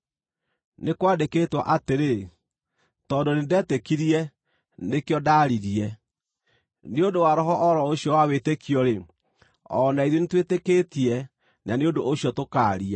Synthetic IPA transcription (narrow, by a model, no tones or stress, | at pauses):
nekwaːndekeːtwa̰ʔateɾe | tɔndonendɛːtekiɾiɛ | nekeɔdaɾiɾiɛ | neondowaɾɔɦɔʔɔɾɔoɕjɔwawetekiɔɾe | ɔ̰naiðonetweteketiɛ | naneondoʔoɕjɔtokaɾia